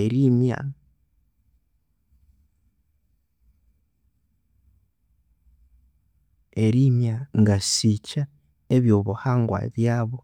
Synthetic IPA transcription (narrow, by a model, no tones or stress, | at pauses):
eɾima̰ | eɾimjaŋɡasica | eβjo̞βuhaːŋɡwa̰βjaβo